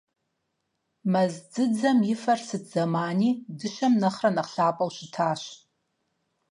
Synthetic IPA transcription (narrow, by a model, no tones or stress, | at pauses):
mɐzd͡zɨd͡zɐmjɪfɐrsɨdzɐmaːniːdɨʃɐmnɐχrɐnɐχɬaːpʼɐwɕɪtʰaːɕ